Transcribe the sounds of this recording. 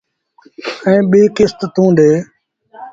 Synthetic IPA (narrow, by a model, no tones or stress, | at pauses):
ɛ̃ːɓiːkɪst̪t̪ũːd̪eː